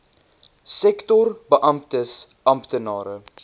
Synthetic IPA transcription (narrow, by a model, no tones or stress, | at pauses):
sɛktɔrbəʔɐmptəsʔɐmptənɑːɾə